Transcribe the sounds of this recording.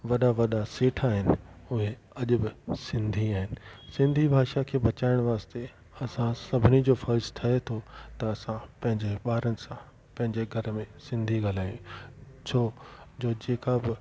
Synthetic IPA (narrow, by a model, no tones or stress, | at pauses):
ʋɐɗaʋɐɗaseːʈʰaːɦɪnɪʊɦe | ɐʄʊbɪsɪ̃nd̪ʱiaːɦɪnɪ̆sɪ̃nd̪ʱibʱaːʃakʰeːbɐt͡ɕaːɪɽ̃ʋaːst̪e | ɐsãsɐbʱɪnid͡ʑoːfɐɾɪzt̪ʰɐet̪ʰot̪ɐɐsãpɐ̃ɦɪ̃ɲd͡ʑeɓaːɾənɪ̆sã | pɐ̃ɦɪ̃ɲd͡ʑeɡʱɐɾmẽsɪ̃nd̪ʱiɡal̤aːjũ | t͡ɕʰoːd͡ʑoːd͡ʑeːkabɪ